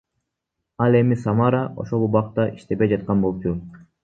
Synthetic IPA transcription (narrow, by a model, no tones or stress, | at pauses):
ɑlˠe̞misɑmɑɾɑʔo̞̰ʃo̞lˠubɑq̚t̪ɑʔiʃt̪e̞be̞jd͡ʒɑt̪̚qɑnbolˠup̚t͡ʃʰu